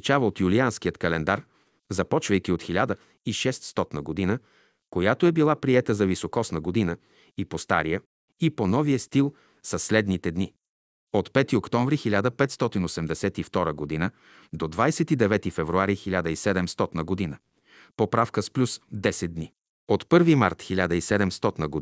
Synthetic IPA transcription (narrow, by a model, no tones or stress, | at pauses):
it͡ʃavəot̪julianskijət̪kɐlɛnd̪aɾ | zɐpɔt͡ʃvəjk̟ʲiot̪xilʲad̪ə | iʃɛst̪st̪ɔt̪nəɡod̪inə | kojat̪oɛbilˠapɾiɛt̪əzɐvisokɔsnəɡod̪inə | ipost̪a̰ɾijə | iponɔvijəst̪ilˠ | sɐslɛd̪nit̪ɛd̪ni | ot̪pɛt̪iokt̪ɔ̃ɱvɾixilʲad̪əpɛt̪st̪ɔt̪inosɛmd̪ɛsɛt̪ift̪ɔɾəɡod̪inə | d̪od̪vajsɛt̪id̪ɛvɛt̪ifɛvɾuaɾixilʲad̪əisɛd̪ɛmst̪ɔt̪nəɡod̪inə | popɾafkəsplʲusd̪ɛsɛt̪̚d̪ni | ot̪pɤɾvimaɾt̪xilʲad̪əisɛd̪ɛmst̪ɔt̪nəɡo